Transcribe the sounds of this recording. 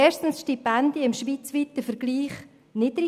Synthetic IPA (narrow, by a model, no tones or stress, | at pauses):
ɛːʃtn̩sʃtipɛndjəɪmʃʋiːt͡sʋit̪əfəɾɡ̥liːχ | nɪd̥̪ɾi